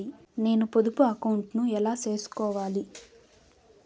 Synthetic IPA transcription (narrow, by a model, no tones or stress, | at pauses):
i | ne̞ːnupod̪upuɐkɐwuɳʈnuɛlaːt͡ʃe̞ːsu̥kɔːʋaːli